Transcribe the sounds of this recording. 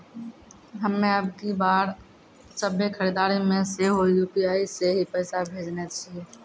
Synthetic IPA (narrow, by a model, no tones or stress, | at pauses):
ɦəmːẽəb̚kibaːɾ | səbʱekʰəɾiːd̪aːɾimẽseɦoijupiaːiseɦipɛːsabʱeːd͡ʒnei